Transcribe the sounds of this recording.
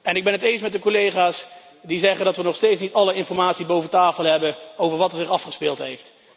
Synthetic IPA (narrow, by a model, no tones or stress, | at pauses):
ɛnɪɡ̚bɛnɦətejnsmɛt̚dəkolejχaːs | dizɛχəndɑtʋənɔχstejtsnitɑləɪnfɔɹmaːtsibowvətaːfəlˠɦɛbənowvəɹʋɑtəzɪχɑfχəspɪːlˠtɦejft